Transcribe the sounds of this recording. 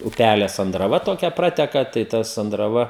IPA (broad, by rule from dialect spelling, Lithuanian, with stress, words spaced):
ʊˈpʲælʲeː sɐndrɐˈʋɐ toːˈkʲɛ ˈprɑːtʲɛkɐ tɐɪ ˈtɐ sɐndrɐˈʋɐ